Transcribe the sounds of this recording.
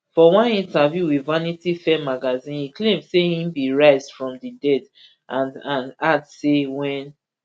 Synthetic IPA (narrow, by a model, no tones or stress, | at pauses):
fɔwãnĩntavjuwivanitifɛmaɡazĩnhiklẽmsehĩmbiɹaɪzdfɹɔ̃mdidɛd | ʔãnãnadsewɛ̃n